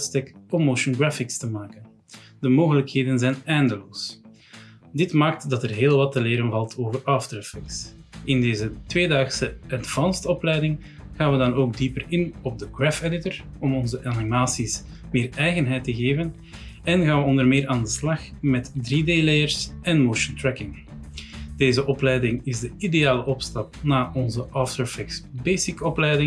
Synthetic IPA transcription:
tstɛkɔmoʃɔnɡɹafɪkstəmaːkən | dəmoːɣələkheːdənzɛjnɛjndəloːs | dɪtmaːk̚tdɑtərɦeːlˠʋɑtːəleːɾənvɑlˠtʰoːvərɑftɾɛfɪksɪndeːzətweːdaːxsəɛntfɑnstəɔplɛjdɪŋ | ɣaːnʋədɑnoːɡ̚dipəɾɪnɔb̚dəɡɹɛfɛdɪtəɹ | ɔmɔnzəʔanimaːsis | mɪːrɛjɣənɦɛjtəɣeːvən | ɛnɣaːnʋəɔndərmɪːɾaːndəslɑxmɛtdriːdeːlejərsɛnmowʃəntɹɛkɪŋ | d̥eːzəʔɔplɛjdɪŋɪzdəideaːləʔɔpstɑp̚naːʔɔnzəʔɑːftəɹfɛksbeːsɪkɔplɛjdɪŋ

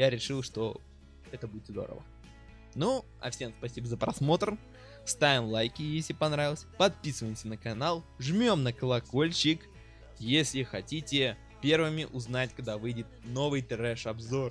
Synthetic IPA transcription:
jaɾʲɪʂɨlˠʂt̪o̞ | ɛt̪əbudʲɪt̪zd̪o̞̰ɾə̰və̰ | nu | ɐ̰fsʲe̞mspɐsʲibəzəpɾɐ̰smo̞t̪r | st̪avʲɪmlˠajkʲɪjesʲlʲɪpɐnɾavʲɪlˠəsʲpɐt̪̚pʲisɨvəjɪmsʲənəkɐnalˠʐmʲo̞mnəkəlˠɐko̞lʲt͡ɕɪk | jesʲlʲɪxɐtʲitʲɪ | pʲe̞rvɨmʲɪʔʊznatʲkaɡd̪avɨjdʲɪt̪̚no̞vɨjt̪ɾɛʂɐbzo̞r

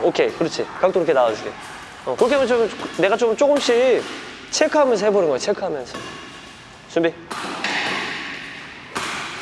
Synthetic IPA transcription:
okʰe̞kɯɾʌt͡ɕʰikak̚t͈oɾokʰenaod͡ʑʰide | ʌkɯɾʌkeamjʌt͡ɕomne̞ɣat͡ɕomt͡ɕ͈oɡɯmɕ͈i | t͡ɕʰekʰɯɦamjʌns̬ʰʌhebʌnɯnɡʌet͡ɕʰekʰɯɦamjʌnsʰʌ | sumbi

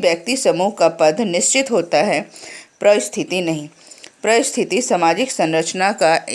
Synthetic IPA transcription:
bjək̚t̪isɐmuːɦkapɐd̪ʱnɪst͡ʃɪt̪ɦoːt̪aɦɛpɾɐʋɪst̪ʰɪt̪inɐɦĩ | pɾɐʋɪst̪ʰɪt̪isamaːd͡ʒɪksɐ̃nɾət͡ʃnaka

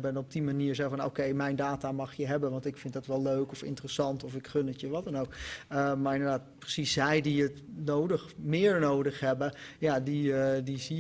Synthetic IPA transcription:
bənɔb̚dimaniːɹzɛvɔno̰wkejmɛjndaːtamɑxjəɦɛbənʋɑntɪkfɪntdɔtʋɛlˠløɥkɔfɪ̰ntərəsɑntɔfɪkχønətjəʋɔtənowkəmaɹɪndəɹdaːt̚prəsisz̥ɛjdiətnowdəxmɪːəɹnowdəxɦɛbəjadidizi

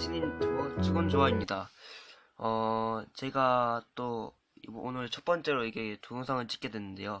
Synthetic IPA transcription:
t͡ɕʰiɲinmʌt͡ɕʰɯɡɯnd͡ʑoaimɲida | ʌt͡ɕe̞ɡat͈o | onɯɾt͡ɕʰʌt̚p͈ʌnt͡ɕ͈e̞ɾoiɡe̞toɯŋsʰaŋɯɭt͡ɕ͈i̥k͈e̞dwe̞nːɯnde̞̰jo

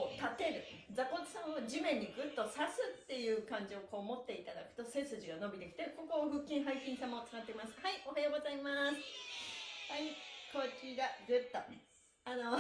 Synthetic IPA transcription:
ot̪at̪e̞ɾɯ̟d͡zako̞t̪ːo̥sãɰ̃od͡ʑimẽ̞ɲ̟ːiɡɯ̟t̪ːo̞sasɨt̪ːe̞jɯ̟ːkãɲ̟d͡ʑioko̞ːmo̞t̪ːe̞it̪ad̪akɯ̟̥t̪o̞se̞sɨʑiɡano̞bʲit̪e̞kʲi̥t̪e̞ko̞koːɡɯ̟kʲːĩɰ̃ɦaiɕĩɰ̃sãmːo̞t͡sɨ̥kat̪ːeimasɨ̥haiʔo̞ɦajo̞ːɡo̞zaimasɨ̥ | haikʰo̞ːkʲiɡaɡɯt̪ːo | ano

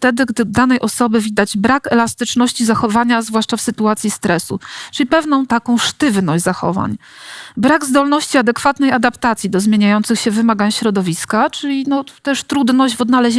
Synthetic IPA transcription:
ft̪ɛd̪ɘɡd̪ɘd̪anɛjʔɔsɔbɘvʲid̪ad͡ʑbɾakɛlast̪ɘt͡ʂnɔɕt͡ɕizaxɔvaɲazvwaʂt͡ʂafsɘt̪uat̪sʲjist̪ɾɛsṵt͡ʂɘlʲipɛvnɔ̃w̃t̪akɔ̃w̃ʂt̪ɘvnɔɕʲzaxɔ̰va̰ɲ | bɾaɡzd̪ɔlnɔɕt͡ɕiad̪ɛkfat̪nɛjad̪apt̪at̪sʲjid̪ɔzmʲjeɲajɔnt̪sɘxɕɛvɘmaɡaɲɕɾɔd̪ɔvʲiskat͡ʂɘlʲinɔt̪ɛʂt̪ɾud̪nɔʑd͡ʑvɔd̪nalɛʑe

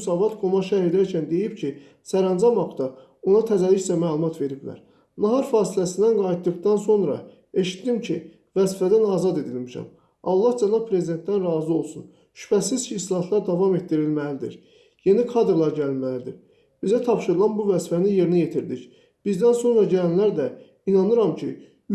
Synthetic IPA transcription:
sɑːvɑt̪kʰo̞mɑʃæhid̪æɾcʰænd̪e̞jibcʰi | sæɾænd͡ʒɑmɑkt̪ɑ | o̞nɑt̪ʰæzæliçsæmæːlˠumɑt̪ʰve̞ɾiblæ̰ɾ | nɑɦɑɾfɑːsilæsind̪ænɡɑjit̪̚d̪ɯɡd̪ɑnso̞nɾɑ̰ | e̞ʃi̥t̪d̪imcʰi | væzfæd̪ænɑːzɑd̪e̞d̪ilmiʃæ̰m | ɑ̰lˠːɑhd͡ʒænɑb̚pʰɾe̞zid̪e̞nt̪d̪ænɾɑːzio̞lˠsun | ʃy̥pʰæsiz̥cʰiːslˠɑhɑt̪ʰlˠɑɾd̪ɑvɑme̞t̪ːiɾilmælid̪ḭɾ | je̞nikʰɑd̪ɾlˠɑɾɟælilmælid̪ḭɾ | b̥izæt̪ʰɑpʃɯɾɯlˠɑnbuvæzfænije̞ɾinijet̪ʰiɾd̪ic | b̥izd̪ænso̞nɾɑɟælænlæɾd̪æ | inɑnɯɾɑmcʰḭ

